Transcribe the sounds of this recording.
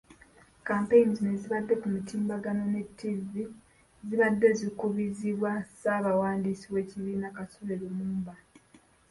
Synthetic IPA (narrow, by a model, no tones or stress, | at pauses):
kaːmpe̞jnizineziβadːe̞kumutiːmbaɡano̞ne̞tʰːizːi | ziβadːe̞zikuβiziβwasaβawaːndisiwe̞ːciβiːnakasuleɾomuːmba